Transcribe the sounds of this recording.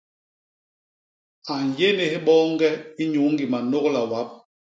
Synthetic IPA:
a˨ɲ˨je˦ne˨hɛ˦ɓɔː˦ŋ˦ɡɛ˦i˦ɲu˨˦ŋ˦ɡi˨ma˨no˦kla˨wa˨˦p̚

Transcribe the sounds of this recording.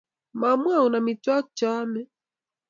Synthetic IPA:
ma˨mwa˦˨u˨na˨mi˨twa˦t͡ʃa˦mɛ˦

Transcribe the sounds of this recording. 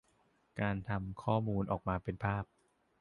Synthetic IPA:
kaː˧nt̪ʰa˧mkʰɔː˥˩muː˧nʔɔː˨˩k̚maː˧pe˧npʰaː˥˩p̚

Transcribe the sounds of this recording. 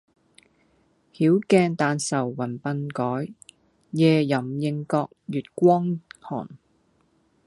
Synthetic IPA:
hiː˨˥wkɛː˧ŋt̪aː˨˧nsɐ˨˩wːɐ˨˩npɐ˧nkɔː˨˥j | jɛː˨˧jɐ˨˩mjɪ˧ŋkɔː˧k̚jyː˨t̚kʷɔː˥ŋhɔ̰ː˨˩n

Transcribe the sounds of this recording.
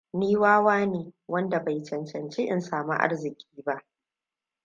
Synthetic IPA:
niː˦waː˦waː˦neː˨wɐ˦nda˨ba˨jt͡ʃɐ˨nt͡ʃɐ˨nt͡ʃe˦ʔɪ̰˨nsaː˨mu˦ʔa̰˦rzɪ˨kʲʼiː˦ba˦ʔ

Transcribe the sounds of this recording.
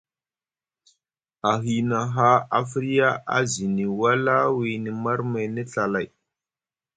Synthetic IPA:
a˨ɦi˨na˨ɦa˦a˨fi˦ɾi˦ja˦a̰˦zi˨ni˨wa˦la˦wi˨ni˨ma˦ɾma˨jnə˦ɬa˨la˨j

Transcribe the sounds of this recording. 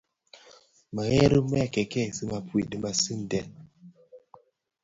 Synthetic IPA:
ma˨ɣɛ˦ɾu˦mɛ˦˨kɛ˨kɛ˦˨sɨ˦ma˨pwi˨ɗɨ˨ma˨si˦n˨dɛ˨n

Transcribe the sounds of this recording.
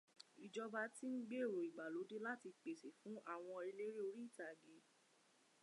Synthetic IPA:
i˨d͡ʒɔ˧ba˧˦ti˦n̩˦ɡ͡be˦˨ɾo˨i˨ɡ͡ba˨lo˨˦de˦la˦ti˧k͡pe˨se˨fũ˨˦ʔa˦˨w̃ɔ̃˧e˧le˦ɾe˦o˧ɾi˦i˦˨ta˨ɡe˨˦

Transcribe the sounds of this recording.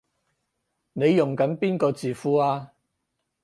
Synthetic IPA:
ne˨˧jːʊ˨˩ŋkɐ˨˥npiː˥nkɔː˧t͡siː˨fuː˨˧aː˧

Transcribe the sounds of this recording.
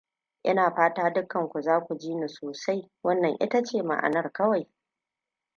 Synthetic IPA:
ʔɪ˦naː˨ɸaː˦taː˦dʊ˦kːɐ˨ŋkʷu˨zaː˦kʷu˨d͡ʒiː˦ni˨soː˨sa˦j | wɐ˦nːɐ˨ŋʔɪ̰˦ta˦t͡ʃeː˦˨ma̰˨ʔa̰˨nɐ˦rkɐ˦wa˨j

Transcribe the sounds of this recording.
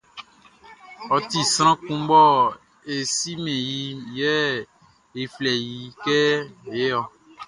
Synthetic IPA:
ɔ˨t̪i˨sɾ̃ã˦kũ˦bɔ˦ | e˨si˦mẽ˨ji˨jɛ˦ | e˨flɛ˨ji˨kɛ˦˨je˦ɔ˨

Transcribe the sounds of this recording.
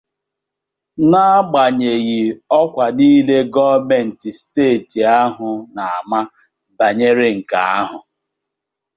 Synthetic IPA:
na˦ɡ͡ba˨ɲe˨ɣi˨ɔ˦kʷa˨niː˦le˦ɡɔ˦me˨n̩˨ti˨steː˦˨ti˨a˦ɦʊ˨na˨a˨ma˦ | ba˨ɲe˦ɾɪ˦ŋ̩˨ka˨a˦ɦʊ˨

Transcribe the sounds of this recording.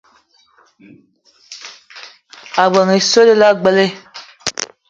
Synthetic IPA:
a˨ɡ͡bə˨ŋe˨so˦le˦la˦ɡ͡bə˦le˦

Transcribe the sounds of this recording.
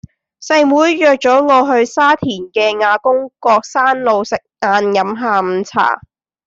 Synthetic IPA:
sɐ˧jmuː˨˥jːœː˨k̚t͡sɔː˨˥ŋɔː˨˧ɦɵ˧ɥsaː˥t̪ʰiː˨˩nkɛː˧ŋaː˨˧kʊ˥ŋkɔː˧k̚saː˥nlo˨˧wsɪ˨k̚ŋaː˧njɐ˨˥mɦaː˨˧m̩˨˧˥t͡sʰa̰ː˨˩

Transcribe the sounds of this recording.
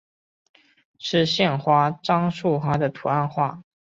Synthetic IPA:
ʂɻ̩˥˧ɕjɛ˥˩nxwa˥ʈ͡ʂɑ˥ŋʂu˥˩xwa˥d̪ə˨t̪ʰu˨˩a˥˧nxwa˥˩

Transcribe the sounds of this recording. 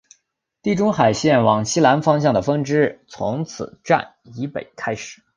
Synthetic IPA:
t̪i˥˩ʈ͡ʂʊ˥ŋxa˨˩ɪɕjɛ˥˩nwɑ˨˩ŋɕi˥la˧˥nfɑ˥ŋɕjɑ˥˩ŋd̪ə˩fɤ˥ŋʈ͡ʂɻ̩˥t͡sʰʊ̰˧˥ŋt͡sʰɹ̩˨˩˦ʈ͡ʂa̰˥˩n | i˧˥pḛ˨˩ɪkʰa˥ɪʂɻ̩˨˩˦

